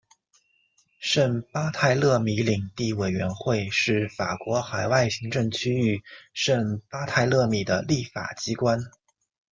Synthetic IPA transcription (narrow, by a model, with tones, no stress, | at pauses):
ʂə˥˩ŋpa˥t̪ʰa˥˧ɪlɤ˥˧mi˧˥li˨˩ŋt̪i˥˩we˨˩ɪɥɛ˧˥nxwe˥˧ɪʂɻ̩˥˩fa̰˨˩kwɔ˧˥xa˨˩ɪwa˥˩ɪɕi˧˥ŋʈ͡ʂɤ˥˩ŋt͡ɕʰy˥y˥˩ʂə˥˩npa˥t̪ʰa˥˧ɪlɤ˥˧mi˨˩d̪ə̰˦li˥˩fa̰˨˩t͡ɕi˥kwa˥n